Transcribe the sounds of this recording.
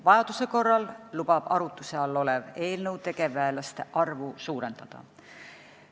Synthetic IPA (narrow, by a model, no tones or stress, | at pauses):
vɑjɑd̪̥use̞ko̞rːɑllub̥ɑb̥ɑɾut̪ːˑuse̞ɑlːo̞le̞ve̞ːlnɤwd̪̥ekevːæelɑst̪e̞ʔɑrvusuːɾe̞nd̪̥ɑd̪̥ɑ̰